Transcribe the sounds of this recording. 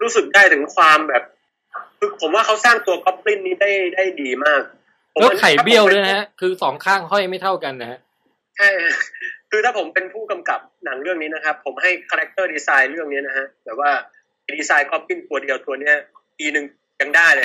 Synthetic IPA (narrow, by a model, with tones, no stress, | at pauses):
ɾuː˦˥sɯ˨˩k̚daː˥˩jt̪ʰɯ˩˦ŋkʰwaː˧mbɛː˨˩p̚ | kʰɯː˧pʰo˩˦mwaː˥˩kʰa˦˥wsaː˥˩ŋt̪u˧ɐkɔ˦˥p̚li˥˩nːiː˦˥daː˥˩jdaː˥˩jdiː˧maː˥˩k̚ | o˨˦eː˦˥wkʰa˨˩jbi˥˩əwdu˥˩jna˦˧˥ha˦˥kʰɯː˧sɔː˩˦ŋkʰaː˥˩ŋɦɔ˥˩jma˥˩jt̪ʰa˥˩wka˧nːa˦˥˩ha˦˥ | t͡ɕʰa˥˩jʰa˥kʰɯː˧t̪ʰaː˥˩pʰo˩˦mpe˧npʰuː˥˩ka˧mka˨˩p̚na˩˦ŋɾɯ˥˩əŋniː˦˥na˦˥kʰa˦˥pʰːo˩˦mɦa˥˩jkʰaː˧ɾɛ˦˥k̚t̪ɤː˥˩diː˧saː˧jɾɯ˥˩əŋni˦˥ɐna˦˥kʰa˦˥bɛː˨˩p̚waː˥˩ | a˧jdiː˧saː˧jkɔ˦˥p̚li˥˩nt̪u˧ɐdi˧əwt̪u˧ɐni˦˥ɐ | piː˧nɯ˨˩ŋ | ja˧ŋdaː˥˩jlɤ˧˩